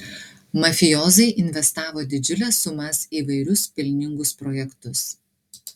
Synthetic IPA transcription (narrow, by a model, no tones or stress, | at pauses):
mɐfʲɪjɔːzɐɪʔɪnʲʋʲɛst̪ɑːʋoːd̪ʲɪd͡ʒʲʊlʲɛsːʊmɐsiːʋɐɪɾʲʊspʲɪlʲnʲɪŋɡʊspɾɔjɛkt̪ʊs